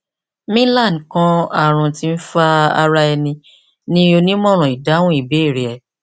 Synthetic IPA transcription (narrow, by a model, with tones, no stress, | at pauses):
mĩ˦la˦˨n˨kã˦a˦˨ɾ̃ũ˨ti˦˧n̩˦fa˦a̰˧ɾa˧ɛ˧nĩ˧ | nĩ˦o˧nĩ˦mɔ̃˦˨ɾ̃ũ˨i˨da˨˦wũ˦i˦˨be˨˦i˦˨ɾi˨ɛ˨